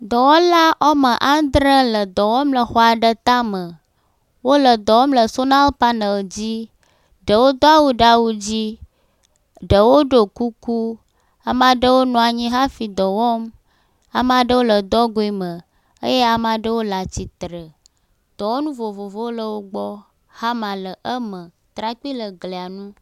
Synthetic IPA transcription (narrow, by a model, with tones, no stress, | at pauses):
d̪ɔ˨wɔ˦la˦ʔɔ˦mə˨ʔa˦d̪ɾə˦lə˨d̪ɔ˨wɔ˦mlə˨xɔ˦a˨ɖə˦t̪a˦mə˨ | wo˦lə˨d̪ɔ˨wɔ˦mlə˨so˦na˦lpa˦nə˨d͡ʑi˦ | ɖə˨wo˦d̪ɔ˦a˦wu˦ɖa˦wu˦d͡ʑi˦ | ɖə˨wo˦ɖo˨ku˦ku˦ | a˨ma˨ɖə˦wo˦nɔ̃˨a˨ɲĩ˦ɦa˦fi˨d̪ɔ˨wɔ˦m | a˨m˦a˨ɖə˦wo˦lə˨d̪ɔ˦ɡo˨˦i˨mə̃˨ | ə̰˦je˦a˨m˦a˨ɖə˦wo˦la˨t͡ɕi˨t̪ɾə˨ | d̪̥ɔ˨wɔ˦nũ˦vo˨vo˨vo˦wo˦lə˨wo˦ɡ͡bɔ˦ | ha˦mã˨lə˨ʔə˦mə̃˨ | t̪ɾa˦k͡pi˦lə˨ɡle˨a˨nũ˦